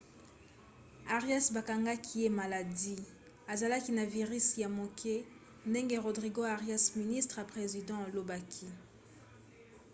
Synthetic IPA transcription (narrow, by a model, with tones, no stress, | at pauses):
a˨ʁja˦sba˨ka˨ŋɡa˦kʰi˦je˦ma˨la˨di˦ | a˨za˨la˦ki˦na˨vi˨ʁi˦sja˨mo˨kʰe˦ | nde˦ŋɡe˦ʁo˨dʁi˨ɡo˦a˨ʁja˦smi˨ni˦stʁa˨pχe˨zi˨dɑ̃˦a˨lo˦ba˦kʰi˦